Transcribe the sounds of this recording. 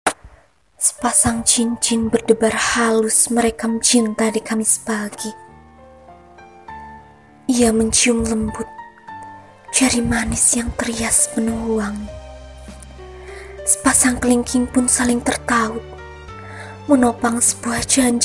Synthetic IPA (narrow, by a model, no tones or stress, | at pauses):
sə̥pasaŋt͡ʃiɲt͡ʃɪnbərdəbarhalʊsməɾekamət͡ʃint̪adikamisə̥b̥aɡi | ʔijaməɲt͡ʃiʊmləmbʊt̪̚ | d͡ʒ̥aɾimanɪsjaŋt̪ərijaspənuuaŋ | sə̥pasaŋkəliŋkɪŋpʊnsalɪŋt̪ərt̪aʊt̪̚ | mənopaŋsə̥b̥uahd͡ʒaɲd͡ʒ